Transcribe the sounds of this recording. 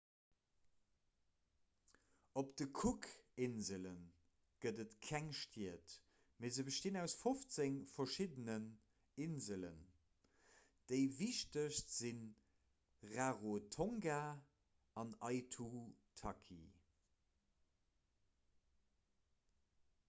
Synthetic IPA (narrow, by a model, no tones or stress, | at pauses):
opd̥əkʰukɪnzələn | ɡ̥ədətkʰæŋʃtʰiət | meːzəbəʃtinæʊsfoft͡səŋfɐʃidənən | inzələ̰n | d̥əɪviʃtəɕtz̥in | ʁaʁotʰoŋɡa | ɑnɑɪtʰutʰɑkʰḭ